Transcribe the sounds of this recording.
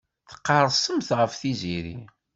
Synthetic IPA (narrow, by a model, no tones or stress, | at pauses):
θə̥qːɑɾˤsˤəmθʁəfθiziɾḭ